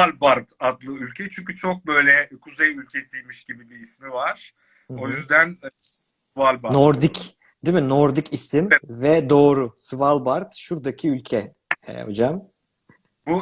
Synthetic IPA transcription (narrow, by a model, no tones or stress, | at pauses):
alʲbaɾd̪ad̪lˠɯylʲcʰɛt͡ʃʰyɲʲcyt͡ʃʰok̚bø̞jlʲɛkʰuzejylʲcʰesijmiʃɟ̥ibibiːsmivaɾ̥ | ojyzd̪æn | valʲbanoɾd̪ic | d̪iminoɾd̪icisinvɛd̪o̞ːɾusɯvalˠbaɾd̪̥ʃuɾd̪acʰiylʲcʰɛ̰ | o̞̰d͡ʒam | bu